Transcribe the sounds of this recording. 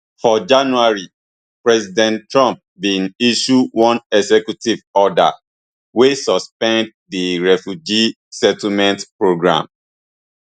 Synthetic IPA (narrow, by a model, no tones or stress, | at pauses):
fɔd͡ʒãnuaɹi | pɹɛzidɛ̃ntːɹɔ̃mp̚bĩniʃuwɔ̃nɛsɛkjutivɔda̰ | wesɔspɛ̃nd | diɹɛfjud͡ʒi | sɛtl̩mɛ̃ntpɹoɡɹã̰m